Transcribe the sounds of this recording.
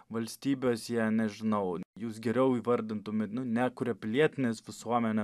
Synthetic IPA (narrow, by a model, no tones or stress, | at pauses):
ʋɐlʲsʲt̪ʲiːbʲeːsjɛnʲɛʒʲɪnɐʊjuːs̬ɡʲɛɾʲɛʊiːʋɐɾʲd̪ʲɪnt̪ʊmʲeːt̪nʊnʲækʊɾʲɛpʲɪlʲiɛt̪ʲɪnʲeːsʋʲɪsuɔmʲɛnʲɛ